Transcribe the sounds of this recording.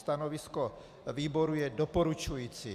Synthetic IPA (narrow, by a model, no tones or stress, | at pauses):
st̪anovɪsko | viːboɾujɛdopoɾut͡ʃujiːt͡si